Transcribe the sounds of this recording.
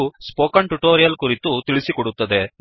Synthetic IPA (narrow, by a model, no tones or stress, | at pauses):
uspoːkɐɳʈuʈoːɾijɐlkuɾit̪ut̪iɭisikɔɽut̪ːɐd̪e̞